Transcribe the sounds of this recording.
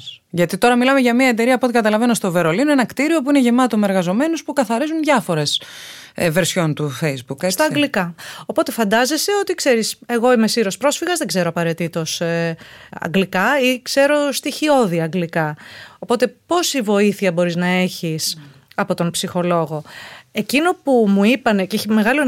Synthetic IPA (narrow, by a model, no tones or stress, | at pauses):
ʝɐt̪it̪o̞ɾɐmilɐmeʝɐmiɐe̞t̪̬e̞ɾiɐpot̪ikɐt̪ɐlɐvenost̪o̞ve̞ɾo̞linoenɐkt̪iɾio̞p̬uine̞ʝe̞mɐt̪o̞me̞ɾɣɐzo̞me̞nuspukɐθɐɾizunðʝɐfo̞ɾe̞s | ve̞ɾsço̞nt̪ufejzbukest̪ɐɐɡlikɐo̞po̞t̪e̞fɐnd̪ɐze̞se̞o̞t̪ikse̞ɾise̞ɣo̞imesiɾo̞spɾo̞sfiɣɐzðeɡze̞ɾo̞ɐpɐɾet̪it̪o̞s | ɐ̰ŋɡlikɐikse̞ɾo̞st̪içio̞ðiɐɐŋɡlikɐopo̞t̪e̞po̞sivo̞iθiɐbo̞ɾiznɐe̞çis | ɐpo̞t̪o̞npsixo̞lo̞ɣo̞e̞cino̞pumuipɐne̞ceçime̞ɣɐlo